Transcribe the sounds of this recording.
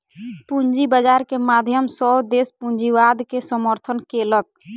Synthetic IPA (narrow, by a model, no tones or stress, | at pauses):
pund͡ʒibəd͡ʒaɾkemad̪ʱjəmsɔbd̪espund͡ʒiwad̪kesəməɾt̪ʰənkelək̚